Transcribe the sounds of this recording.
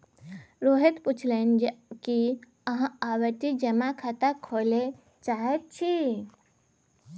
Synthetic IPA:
ɾoɦet̪put͡ʃʰlɛnki | əɦãawəʈ̪id͡ʒəmakʰat̪əkʰole | t͡ʃaɦet̪̚t͡ʃʰi

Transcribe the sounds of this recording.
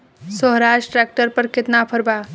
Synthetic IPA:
səɦɾaʃʈʈɾak̚ʈəɾpəɾket̪napʰəɾba

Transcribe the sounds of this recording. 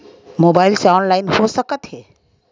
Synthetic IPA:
mobaɪlseɔnlaɪnhosəkət̪ɦɛ

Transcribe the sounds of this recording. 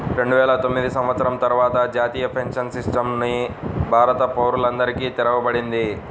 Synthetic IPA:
ɾe̞ɳɖuʋɛːlɐt̪o̞mːid̪isɐmʋɐt̪sɐɾɐmt̪ɐɾuʋaːt̪ɐd͡ʒaːt̪iːjɐpʰeŋkʂɐnsisʈɐmnibʱaːɾɐt̪ɐpoːɾulɐnd̪ɐɾikiːt̪iɾɐʋɐbɐɽind̪i

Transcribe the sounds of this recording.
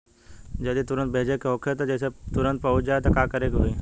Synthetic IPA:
d͡ʒɐd̪it̪ʊɾə̃nt̪̚bʱeːd͡ʒekeɦoːkʰet̪od͡ʒɛːset̪ʊɾə̃nt̪̚pɐɦʊt͡ʃd͡ʒaːet̪okaːkəɾekɦoiː

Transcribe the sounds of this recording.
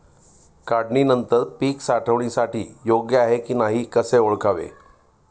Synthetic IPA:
kaɽɳinənt̪əɾpiːksaʈʰəʋɳ̃ĩsaʈḭːjoɡjəaɦekiːnaɦiːkəseoɭkaʋḛ

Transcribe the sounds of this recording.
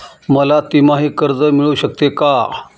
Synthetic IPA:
məlat̪imaɦiːkəɾd͡zəmiɭuːɕək̚t̪eka

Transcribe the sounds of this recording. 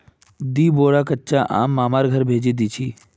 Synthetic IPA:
d̪iːboːɾaːkətːʃaʔa̰ːmːaːmaːɾɡʱəɾbʱeːd͡ʒid̪iːt͡ʃʰiː

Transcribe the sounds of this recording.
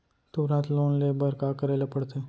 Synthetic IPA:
t̪uːɾə̃nt̪loːnleːbəɾkakəɾeːlepəɽt̪ʰeː

